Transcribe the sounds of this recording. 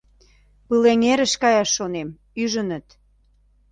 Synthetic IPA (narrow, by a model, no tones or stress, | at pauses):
pɨleŋeɾə̆ʃkɑjɑʃːonem | yʒə̆nə̆t̪